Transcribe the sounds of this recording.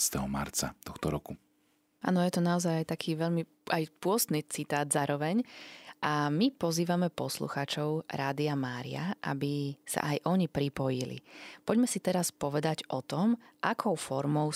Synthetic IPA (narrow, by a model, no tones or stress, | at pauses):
st̪ɛɦɔma̰ɾt͡sa̰t̪ɔxt̪ɔɾɔku | a̰ːnɔjɛt̪ɔnaɔzajajt̪akʰiːʋɛʎmi | ʔajpʊɔst̪niːt͡sit̪aːd̪zaːɾɔʋɛɲʔamipɔziːʋamɛpɔslṵxaːt͡ʃɔʊɾaːd̪iamaːɾḭa̰ʔa̰bisa̰ʔajʔɔɲipɾipɔjilḭpɔɟmɛsit̪ɛɾaspɔʋɛd̪aɟʔɔt̪ɔmʔakʰɔʊfɔɾmɔʊ